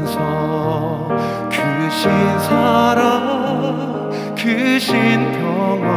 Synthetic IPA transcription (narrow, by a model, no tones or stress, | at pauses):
nsʰʌ | kuɕʰinsʰaɾʌ | kuɕintʌwa